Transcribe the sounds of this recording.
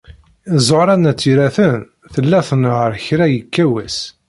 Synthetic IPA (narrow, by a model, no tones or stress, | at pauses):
zˤoɾˤɑnæt͡sːiɾæθən | θəlːæθənʁəɾçɾæjəkːæwæs